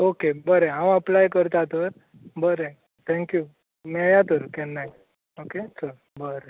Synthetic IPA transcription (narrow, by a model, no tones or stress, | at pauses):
okebəɾeɦãwəplajkəɾt̪at̪əɾ | bəɾe | t̪ʰɛ̃ŋkju | mɛjat̪əɾkɛnːaj | oket͡səɾ | bəɾe